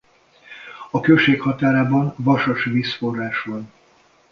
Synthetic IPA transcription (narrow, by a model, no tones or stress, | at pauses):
ɒkøʃeːkhɒt̪aːɾaːbɒnvɒʃoʃʋiːsfo̞rːaːʃvɒn